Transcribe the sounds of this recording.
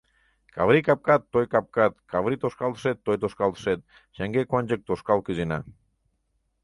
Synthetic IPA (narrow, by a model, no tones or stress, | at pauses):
kaβɾikap̚kat̪ːojkap̚kat̪kaβɾit̪oskalˠt̪sɛt̪ːojt̪oskalˠt̪sɛt̪̚ | ʃaŋɡekwanʲd͡ʒək̚t̪oskalˠkizina̰